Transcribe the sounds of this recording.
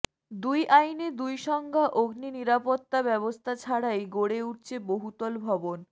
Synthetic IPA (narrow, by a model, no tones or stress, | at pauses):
d̪ujʔajned̪ujʃɔŋɡʱaʔoɡniniɾapot̪ːabɛβost̪ʰat͡ɕʰaɽajɡoɽeuʈ̚t͡ɕʰeboɦut̪ɔlbʱɔbon